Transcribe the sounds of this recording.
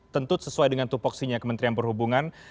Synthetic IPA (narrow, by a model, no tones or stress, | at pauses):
t̪ənt̪ʊt̪̚səsuajdəŋant̪upɔksiɲakəmənt̪ɾianpərhubuŋan